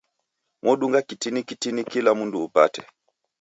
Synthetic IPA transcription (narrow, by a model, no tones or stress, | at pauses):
mɔɗuŋɡakitinikitinikilamunduːpa̰tɛ̥